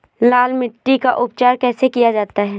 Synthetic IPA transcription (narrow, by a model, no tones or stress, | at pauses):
laːlmɪʈːikaʔʊp̚t͡ʃaːɾkɛːsekijad͡ʒaːt̪aɦɛː